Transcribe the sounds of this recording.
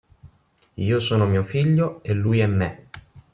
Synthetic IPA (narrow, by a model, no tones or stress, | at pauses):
iːosoːnomiːofiʎːoelːujɛmːe